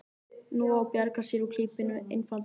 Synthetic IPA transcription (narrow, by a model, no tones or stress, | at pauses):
nuawpjaɾkasɪɾukʰl̥iːpɪnʏḛjnfal